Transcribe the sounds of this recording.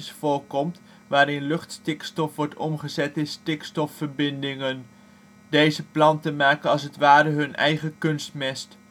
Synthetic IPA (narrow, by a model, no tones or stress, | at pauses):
sfʊːɹkɔmt | ʋaːɾɪnlɵχtstɪkstɔfʋɔɹtɔmχəzɛtɪnstɪkstɔfːəɹbɪndɪŋən | dejzəplɑntəmaːkənɑlˠs̬ətʋaːɾəɦɵnʔɛ̰jχəkɵnstmɛst